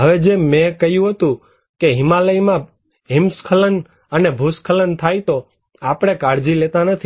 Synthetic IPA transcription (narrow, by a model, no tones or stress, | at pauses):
ɦəʋed͡ʒemẽkəɦjũɦət̪ũ | keɦɪmaləjmã | ɦɪmskʰələn | ənebʱuskʰələnt̪ʰajt̪o | apɽ̃ekaɽd͡ʒilet̪ãnət̪ʰi